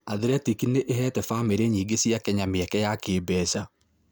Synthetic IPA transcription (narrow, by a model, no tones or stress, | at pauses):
aðeɾɛtikineʔeɦɛːtɛfameɾeɲiːɡesiakɛɲameɛkɛjakeːbɛsa